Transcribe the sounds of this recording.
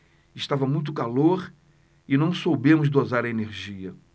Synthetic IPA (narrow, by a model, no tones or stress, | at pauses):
ɪʃt̪avɐmũj̃t̪̬ʊkaloɾ | ɪnɐ̃w̃sowbẽmʊzd̪ozaɾɐeneɾʒiɐ